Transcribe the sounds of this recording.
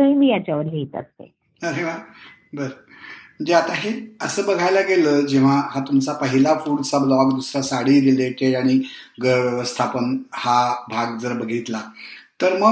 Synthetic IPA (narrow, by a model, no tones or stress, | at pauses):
əɦimiːjat͡ɕaʋəɾɦit̪a̰st̪ḛ | əɾeʋa | bəɾə | məd͡ʑeat̪aɦeəsəːbəɡʱajlaɡeləːd͡ʑeʋ̤aɦat̪umt͡sapəɦilafuɽt͡sablɔɡd̪usɾasaɽiɾileʈeɽaɽ̃iɡəjəʋjəʋəst̪ʰapənhabʱaɡd͡zəɾbəɡʱit̪lat̪əɾmə